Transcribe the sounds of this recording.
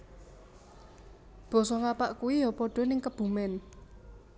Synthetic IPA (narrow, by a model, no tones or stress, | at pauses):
b̥ɔ̤sɔŋapaʔkuwijɔpɔɖ̥ɔ̤nɪŋkəb̥ṳmɛn